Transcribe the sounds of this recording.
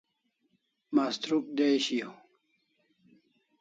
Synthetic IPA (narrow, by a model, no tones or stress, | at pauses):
mast̪ɾuk̚d̪ejɕijo